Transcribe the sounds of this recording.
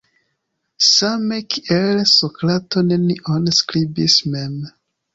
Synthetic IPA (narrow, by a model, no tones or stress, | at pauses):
samekʰiʔelsokɾatoneniʔonskɾibismem